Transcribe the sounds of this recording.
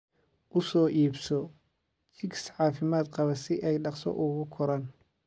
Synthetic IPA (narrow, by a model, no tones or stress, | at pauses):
ʔʊsɔːʔiːbsɔ | t͡ʃɪɡsʕɑːfɪmaːd̪qɑβɐsɪʔɛjɖɑqsɔ̰ʔʊɣʊkʰɔɾɐn